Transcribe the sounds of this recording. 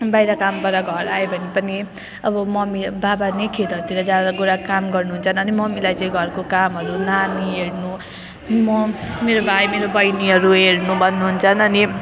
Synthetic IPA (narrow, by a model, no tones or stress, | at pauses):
bajɾakambʌɾaɡʱʌɾaebʱʌnipʌni | ʌbʌmʌmibabanikʰed̪ʱʌɾt̪iɾʌd͡zaɾʌɡuɾakamɡʌrnuɦunt͡sʰʌnʌnimʌmilajt͡sʌĩɡʱʌrkokamɦʌɾunanieɽnu | mʌmeɾobʱajmeɾobʌjniɦʌɾueɽnubʱʌnːuɦunt͡sʰʌnʌni